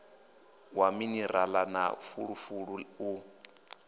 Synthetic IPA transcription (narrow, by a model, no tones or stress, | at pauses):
waminiɾalana̰fuɺufuɺuu